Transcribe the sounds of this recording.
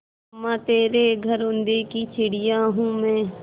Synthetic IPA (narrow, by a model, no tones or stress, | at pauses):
mɛ̃ːt̪eːɾeɡʱəɾʊ̃nd̪ekit͡ʃʰɪɽɪjãːɦũːmɛ̃ː